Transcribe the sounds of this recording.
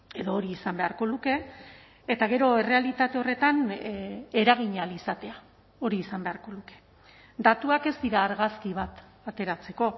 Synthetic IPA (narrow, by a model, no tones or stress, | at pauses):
e̞ðoːɾiːsambe̞aɾko̞luke̞ː | t̪aɣ̞e̞ɾo̞e̞re̞alit̪at̪e̞o̞re̞t̪an | e̞ɾaɣ̞iɲalisat̪e̞a | o̞ɾiːsambe̞aɾko̞luke̞̥ | d̪at̪uake̞zd̪iɾaːɾɣaskiβ̞at̪ | at̪e̞ɾat͡se̞ko̞